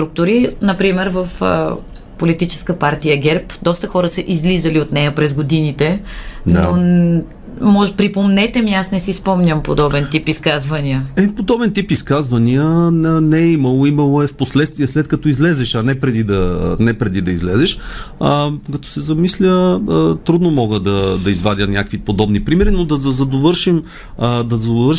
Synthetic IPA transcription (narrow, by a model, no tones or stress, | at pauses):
st̪ɾuk̚t̪ʊɾinɐpɾimɛɾvəf | polit̪it͡ʃɛ̥skəpaɾt̪ijəɡɛɾpd̪ɔst̪əxɔɾəsəʔizlizəliot̪nɛjəpɾɛzɡod̪init̪ɛdno | mɔʒɛpɾipomnɛt̪ɛmiasnɛsispɔmnʲəmpod̪ɔbɛnt̪ipiskazvɐniəɛipod̪ɔbɛnt̪ipiskazvɐniənənɛɛimɐlˠoimɐlˠoɛfposlɛt̪st̪viɛslɛt̪̚kɐt̪ɔizlɛzɛʃɐnɛpɾɛd̪id̪ɐnɛpɾɛd̪id̪ɐizlɛzɛʃəkɐt̪ɔ̥sɛzɐmislʲət̪ɾud̪nomɔɡəd̪ɐd̪ɐizvad̪ʲənʲjakvipod̪ɔbnipɾimɛɾinod̪ɐzɐzɐd̪ovəɾʃim | d̪ɐzɐd̪ovəɾʃ